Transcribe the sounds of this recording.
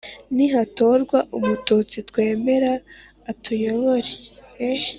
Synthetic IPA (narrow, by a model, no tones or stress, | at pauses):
niɦato̞ɾɡwaʔumutut͡sitwe̞ːme̞ɾaː | tʰujo̞βo̞ɾee